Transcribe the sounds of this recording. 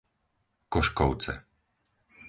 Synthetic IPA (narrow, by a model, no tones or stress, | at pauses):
kɔʃkɔʊt͡sɛ̰